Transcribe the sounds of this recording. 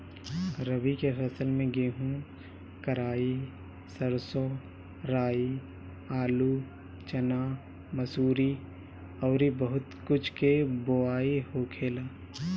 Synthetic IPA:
ɾəʋikefʰɐsəlmẽɡeːɦũ | kəɾaːi | səɾsõː | ɾaːi | aːlu | t͡ʃɐnaː | məsuːɾi | ɔːɾibəɦʊt̪kʊt͡ʃʰkeboaːihokʰeːlaː

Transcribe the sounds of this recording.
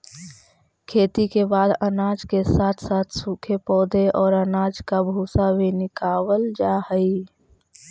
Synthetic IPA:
kʰeːt̪ikebaːd̪ənaːd͡ʒkesaːt̪ʰsaːt̪ʰsuːkʰepɔːd̪ʱeʔɔːɾənaːd͡ʒkabʱuːsabʱinɪkaːwəld͡ʒaːhəi

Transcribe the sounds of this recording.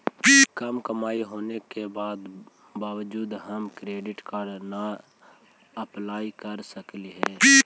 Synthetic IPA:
kəmkəmaːiɦoːnekebaːd̪baːʋəd͡ʒuːd̪ɦəmkɾeːɖɪʈkaːɾɖna | əplaːikəɾsəkliɦɛː

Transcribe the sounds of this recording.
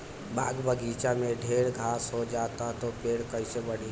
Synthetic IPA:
ba̰ːɡbəɡit͡ʃameɖʱeːɽɡʱaːsɦod͡ʒaːt̪at̪opeːɽkəɪsebəɽi

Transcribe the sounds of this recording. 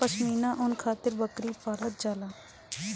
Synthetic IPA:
pəsmiːnãːʔʊnkʰaːt̪ɪɾbəkɾiːpaːlət̪̚d͡ʒaːlaː

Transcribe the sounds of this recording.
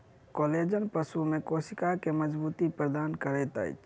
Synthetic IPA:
koled͡ʒənpəsumekosikakeməd͡ʒbut̪ipɾəd̪ankəɾɛt̪ə̰jt͡ʃʰ

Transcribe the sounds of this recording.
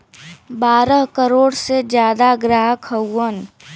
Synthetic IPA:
baːɾəɦkəɾoːɽsed͡ʒjaːd̪aɡɾaːɦkʰəwːən

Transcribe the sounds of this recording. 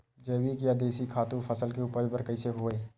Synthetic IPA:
d͡ʒɐːbikjad̪eːsikʰaːt̪ũpʰəsəlkeuːpəɾbəɾkɐiseɦoːeː

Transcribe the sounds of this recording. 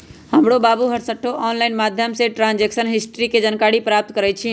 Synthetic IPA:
həmɽobaːbuɦəɾsəʈʰːoʔɔːnlaːɪnmaːd̪ʱjəmseʈɾãːnd͡ʒeːksənɦɪsʈɾiked͡ʒənkaːɽipɾaːp̚t̪kəɾət͡ʃʰi

